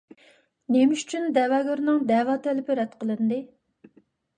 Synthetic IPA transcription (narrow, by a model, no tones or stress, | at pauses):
nemɪʃy̥t͡ʃʰynd̪ɛvɑːɡʲɑɾnɨŋd̪ɛvɑːt̪ʰɛlɪpɪɾɛt̪qʰəlˠɨnd̪ɨ